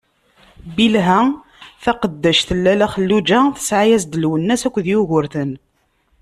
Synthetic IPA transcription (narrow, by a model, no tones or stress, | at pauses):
bilɦæ | θæqəd̪ːæʃθəlːælæχəlːud͡ʒæθə̥sʕajæz̬d̪əlwənːæsækʷːðjʊʝʊɾθən